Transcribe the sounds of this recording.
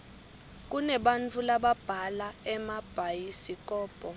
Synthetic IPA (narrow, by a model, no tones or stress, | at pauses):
k̬ʼunɛɓant͡fʰulaɓab̥ʱalaɛmab̥ʱajisik̬ʼɔːb̥ʱʼɔ